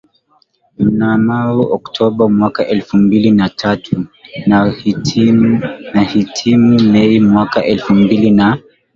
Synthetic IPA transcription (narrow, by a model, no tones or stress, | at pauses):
m̩namaɾuʔɔktʰɔɓamwakaʔɛlfumbilinatʰatʰuna | nahitʰimumɛimwakaʔɛlfumbilina